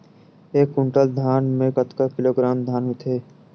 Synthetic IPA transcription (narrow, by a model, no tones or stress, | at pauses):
eːkːʊɳʈəld̪ʱaːnmẽkət̪kakɪloːɡɾaːmd̪ʱaːnmẽt̪ʰeː